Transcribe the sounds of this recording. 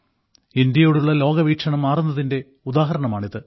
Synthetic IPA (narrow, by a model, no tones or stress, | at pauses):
ind̪jɐjoːɽuɭːɐlo̞ːɡɐʋiːkʂɐɳɐmːaːrunːɐðinde̞ | ud̪aːɦɐɾɐɳɐmaːɳiðɨ